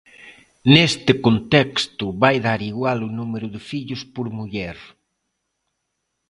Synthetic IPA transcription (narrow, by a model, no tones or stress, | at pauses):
nest̪ɪkont̪ɛkst̪ʊβajðaɾiɣwalʊnumeɾʊðɪfiʎʊspoɾmuʎɛɾ